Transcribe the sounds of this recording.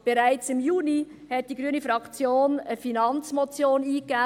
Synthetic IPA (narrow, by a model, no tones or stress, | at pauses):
b̥eɾaɪt͡sɪmjuːni | hɛt̚d̥iɡɾyənifɾɑkt͡sjoːnəfinɑnt͡smɔt͡sjoːniːkːæː